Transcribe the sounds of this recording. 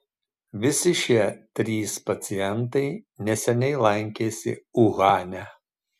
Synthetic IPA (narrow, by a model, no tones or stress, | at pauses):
ʋʲɪsʲɪʃʲiɛt̪ʲɾʲiːspɐt̪sʲɪjɛnt̪ɐɪnʲɛsʲɛnʲɛɪlˠɐŋʲkʲeːsʲɪ̰ʊɣɑːnʲæ